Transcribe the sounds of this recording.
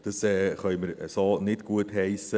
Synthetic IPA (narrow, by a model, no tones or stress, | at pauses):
d̥əsɛːχœʏməɾəsoːnɪtɡ̥uətɦɛɪsə